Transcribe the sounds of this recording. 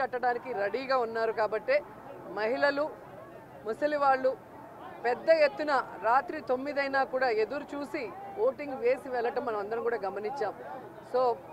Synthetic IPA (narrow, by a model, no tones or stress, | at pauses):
ɐʈːɐɽaːnikiɾɐɽiːɡaːunːaːɾukaːbɐʈːe̞ː | mɐɦilɐlu | musɐliʋaːɭːu | pɛd̪ːɐje̞t̪ːunɐɾaːt̪ɾit̪o̞mːid̪ɐjnaːkuːɽaːe̞d̪uɾut͡ʃuːsiʋoːʈiŋɡʋe̞ːsiʋɛɭːɐʈɐmːɐnɐmɐnd̪ɐɾɐmkuːɽaːɡɐmɐniɲt͡ʃːaːm | so̞ː